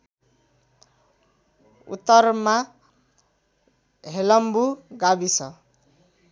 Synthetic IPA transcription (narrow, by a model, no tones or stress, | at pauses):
ṵt̪ːʌrma | ɦelʌmbuɡabisʰʌ